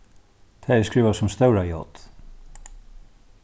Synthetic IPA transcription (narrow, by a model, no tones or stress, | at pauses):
t̪ʰɛːɛskɹiːvasʊmst̪œwɾajɔ̰t̪